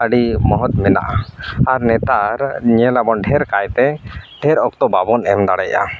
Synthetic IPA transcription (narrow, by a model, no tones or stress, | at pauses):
əɖimɔɦɔt̪̚mɛna̰ʔaaɾnɛt̪aɾɲɛlabɔnɖʱɛɾkajt̪ɛɖʱɛɾɔk̚t̪ɔbabɔnɛmd̪aɽɛj̰ʔa̰